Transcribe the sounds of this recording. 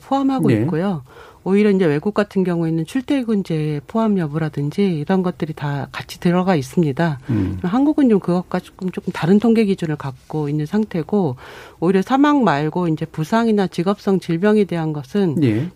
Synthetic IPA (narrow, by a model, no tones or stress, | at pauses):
pʰoamɦaɡoikk͈ojo | oiɾjʌind͡ʑe̞we̞ɡuk̚k͈atʰɯnɡjʌŋuinːɯnt͡ɕʰuɭtʰeɡuind͡ʑe̞pʰoamjʌbuɾadɯnd͡ʑiːɾʌnɡʌt̚t͈ɯɾitakat͡ɕʰi̥tɯɾʌɡais͈ɯmɲidamɦanɡuɡɯnt͡ɕomkɯɡʌk̚k͈at͡ɕok͈ɯmt͡ɕ͈ok͈ɯmtaɾɯntʰoŋɡe̞ɡid͡ʑunɯɭkak̚k͈oinːɯnsʰaŋtʰe̞ɡooiɾjʌsʰamaŋmaɭɡoind͡ʑe̞pusʰaŋinat͡ɕiɡʌp̚s͈ʌŋt͡ɕiɭbjʌŋide̞ɦanɡʌsʰɯnn